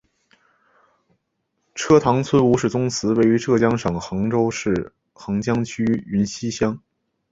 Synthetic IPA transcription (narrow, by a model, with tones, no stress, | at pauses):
ʈ͡ʂʰɤ˥t̪ʰɑ˧˥ŋt͡sʰwə˥nu˧˥ʂɻ̩˥˩t͡sʊ˥ŋt͡sʰɹ̩˧˥we˥˩ɪy˧˥ʈ͡ʂɤ˥˩t͡ɕjɑ˥ŋʂɤ˨˩ŋxɑ˧˥ŋʈ͡ʂo˥ʊʂɻ̩˥˩ | xɑ˧˥ŋt͡ɕjɑ˥ŋt͡ɕʰy˥y˧˥nɕi˥ɕjɑ˥ŋ